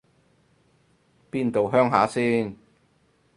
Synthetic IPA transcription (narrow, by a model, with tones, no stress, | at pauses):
piː˥nt̪o˨wɦœː˥ŋɦaː˨˥siː˥n